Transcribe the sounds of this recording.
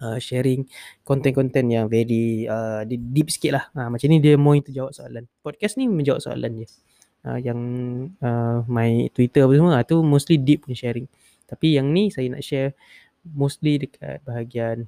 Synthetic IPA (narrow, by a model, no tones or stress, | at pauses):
əʃɛɾɪŋkɔnt̪ɛnkɔnt̪ɛnjaŋvɛɾiədidip̚sə̥kɪt̪ʔ̪lahamat͡ʃamnĩdiəmɔ̃ĩnt̪ud͡ʒawaʔ̚soalanpɔd̚kasnimə̃ɲd͡ʒawa̰ʔso̰a̰la̰ndə | ə̰jaŋəmãɪt̪wit̪əapət̪usməat̪umost̪lidip̚puɲaʃɛɾɪŋ | t̪apijaŋnĩsajana̰ʔʃɛr | most̪lidəkʰa̰t̪̚baɦaɡian